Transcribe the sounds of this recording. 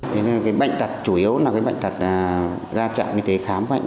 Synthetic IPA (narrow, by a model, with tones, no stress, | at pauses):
t̪ʰe˨˦n˧kaː˨˦jɓə̰˧˨jŋ̟t̪ə˨˩t̚t͡ɕu˧˩ʔi˨˦ə˦wnaː˨˩kaː˨˦jɓ̰jŋ̟t̪a˨˩t̚ː | zaː˧t͡ɕa̰ː˧˨nɲɨ˧t̪e˨˦xaː˨˦m˧˦a̰˧˨ŋ